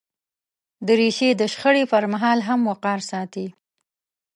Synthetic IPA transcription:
d̪əɾiʃed̪əʃxəɽepəɾmaɦɑlɦamwaqɑɾsɑt̪i

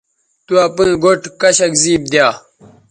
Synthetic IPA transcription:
t̪uapũĩɡoʈkɐɕɐkziːb̚d̪jaː

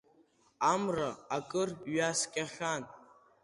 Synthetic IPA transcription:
amraːkʼɨrɥaskʲʼaχʲan

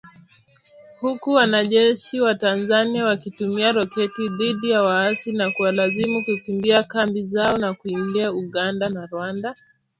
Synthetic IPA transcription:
hukuwanaʄɛʃiwatanzaniawakitumiaɾɔkɛtiðiɗijawaasinakuwalazimukukimbiakambizaɔnakuimbiauɠandanaɾwanda

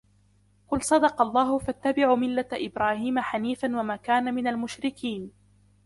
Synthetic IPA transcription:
qʊlsˤɑd̪ɑqɑlˤːɑːhʊfat̪ːabɪʕuːmɪlːat̪ʔɪbɾaːhiːmaħaniːfanwamaːkaːnamɪnalmʊʃɾɪkʰiːn

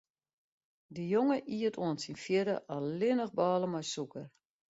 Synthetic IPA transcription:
dəjoŋəʔiətʰoənsinfjɪdə̰ʔɔlɪnəxbɔːlˠəmɔjsukər

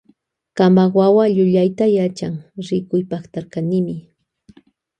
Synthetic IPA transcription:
kambawawaʎʊʎajt̪ajat͡ʃaŋɾɪkʊjpaχt̪aɾkanɪmɪ

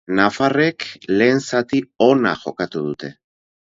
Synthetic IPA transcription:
nafare̞kle̞ːnsat̪io̞na̰ʝo̞kat̪uðut̪e̞

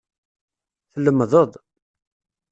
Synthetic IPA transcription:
θəlːəmːðˤəd̪ˤ

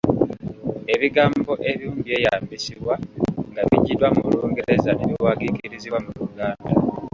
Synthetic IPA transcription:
e̞βiɡaːmbo̞ʔe̞βjuːmbije̞ːjaːmbisiβwaŋɡaβiɟidwamuluːŋɡeezane̞βiwaːɡikiiɾiziβwamuɾuɡaːnda

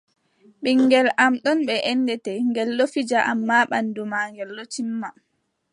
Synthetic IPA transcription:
ɓiŋːɡɛlamɗɔnɓɛʔɛndɛtɛŋɡɛlɗofid͡ʒaʔa̰mːaːɓandumaːŋɡɛlːotimːa

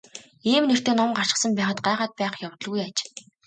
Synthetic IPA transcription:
iːmner̥t̪eːnɔmɢar̥ʃɪ̥̆sə̆mpæːχə̆t̪̚ɢæːʁaːt̪̚pæːχjawt̪ɞ̆ɮɣujat͡ɕ

